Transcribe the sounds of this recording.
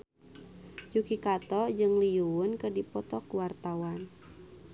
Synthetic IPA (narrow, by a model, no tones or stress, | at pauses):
d͡ʒukikat̪ɔd͡ʒɨŋlijuwʊnkədipɔt̪ɔkuwart̪awan